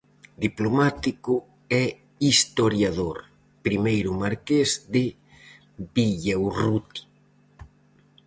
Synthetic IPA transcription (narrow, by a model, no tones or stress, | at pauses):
d̪iplomat̪ikʊ | ɛ | ist̪oɾjaðoɾ | pɾimejɾʊmaɾkezd̪ɪ | biʎewrut̪i̥